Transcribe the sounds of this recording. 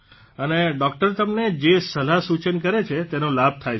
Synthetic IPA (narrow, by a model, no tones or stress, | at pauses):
əneɖɔk̚ʈəɾt̪əmned͡ʒesəlasut͡ʃənkəɾet͡ʃʰet̪enõlab̚ʱt̪ʰaj